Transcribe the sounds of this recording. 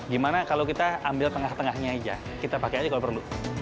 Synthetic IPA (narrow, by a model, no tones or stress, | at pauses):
ɡimanakalowkit̪aambɪlt̪əŋaht̪əŋahɲaid͡ʒa̰ | kit̪apakejad͡ʒakalopərənlu